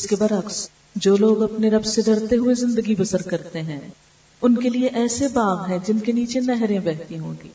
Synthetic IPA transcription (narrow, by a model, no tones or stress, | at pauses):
ɪskebɐɾɐks | d͡ʒoːloːɡɐpneɾɐbseɖɐɽt̪eɦʊezɪ̃nd̪əɡibɐsəɾkɐɾt̪eɦɛ̃ː | ʊnkelieʔɛːsebaːɣɦɛ̃d͡ʒɪnkeniːt͡ʃenɛɦɾẽbɛɦt̪iɦõ̰ːŋɡiː